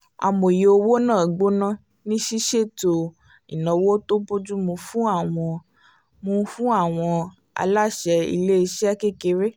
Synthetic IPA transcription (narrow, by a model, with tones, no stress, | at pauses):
a̰˨mo˨je˨o˧wo˦nãː˦˨ɡ͡bo˦nã˦ | nĩ˦ʃi˦ʃe˦˨to˧ | ḭ˨nã˨wo˦to˦bo˦d͡ʒu˦mũ˧fũ˦a˦˨w̃ɔ̃˧ | mũ˧fũ˦a˦˨w̃ɔ̃˧ | a̰˧la˦ʃɛ˧ḭ˧le˦i˧ʃɛ˦a˦ke˦ke˧ɾe˦